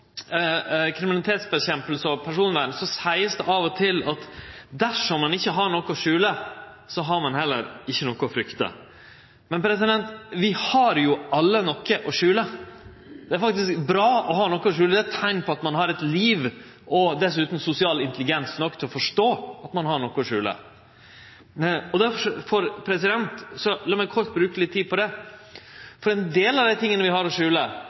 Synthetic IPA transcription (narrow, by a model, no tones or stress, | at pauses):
kʰɾɪmɪnɑlɪt̪ʰeːt̪sbɛçɛmpəlsɔpʰæʂuːnʋæːɳsɔsæɪəsd̪ɛʔɑʋɔt̪ʰɪlɑt̪d̪æʂɔmːɑnɪçːəɦɑɾɳɔkːəɔʂʉːlə | sɔɦɑɾmɑnɦɛlːə̰ɾɪçːənɔkːəɔfɾʏkt̪ə̰ | mɛnpʰɾɛsɪd̪ɛnt̪ʋɪhɑɾjʊʔɑlːənɔkːəʔɔʂʉːlə | d̪̥ɛæɾfɑk̚t̪ɪskbɾɑːɔɦɑːnɔkːəɔʂʉːləd̪æt̪ʰːæɪnpʰɔɑt̪mɑnhɑɾɛt̪liːʋ | ʔɔd̪ɛsʉːt̪n̩sʊsɪɑːlɪnt̪əlɪɡɛnsnɔkːt̪ʰɛlɔfɔʂʈoːɑt̪mɑnɦɑɳɔkːʊɔʂʉːlə̰ | ɔd̪æɾfɔfɔɾpʰɾɛsɪd̪ɛnt̪sɔlɑːmɛɪkʰɔɾt̪̚bɾʉːkəlɪt̪ʰːiːd̪pʰɔd̪ɛ | fɔɾɛnd̪eːlɑʋd̪æɪt̪ɪŋːənəʋɪhɑɾɔʂʉːlə